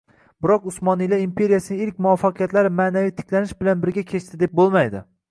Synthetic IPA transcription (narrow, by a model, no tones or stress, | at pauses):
bɪɾɒqʊsmɒnijlaimpʰe̞ɾijasɪnɪɪlkʲmʊvafːaqʰɨjat̪laɾɪmaːnavijt̪ʰɪ̥kʲʰlanɪʃbɪlanbɪɾɡʲakʲʰe̞t͡ʃt̪ʰɪd̪e̞p̚bolˠmajd̪ɪ̰